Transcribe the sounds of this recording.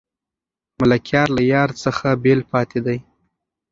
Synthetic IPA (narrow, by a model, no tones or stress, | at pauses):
mʊlakjɑɾlajɑɾt͡səxabelpɑt̪ed̪aj